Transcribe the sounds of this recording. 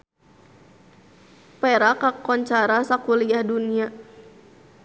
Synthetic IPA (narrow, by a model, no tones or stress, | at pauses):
pɛɾakakɔɲt͡ʃaɾasakuliahdunia